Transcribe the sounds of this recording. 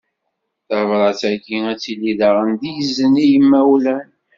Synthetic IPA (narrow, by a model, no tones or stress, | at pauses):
θəvɾˤɑt͡sːæɡiæt͡sːilːiðəʁənd̪ijzənijəmːæwlæn